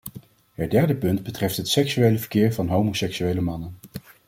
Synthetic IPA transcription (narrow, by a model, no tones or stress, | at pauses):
ɦədɛɹdəpɵndbətrɛftɦətsɛksyejləvəɹkɪːɹvɑnɦowmosɛksyejləmɑnən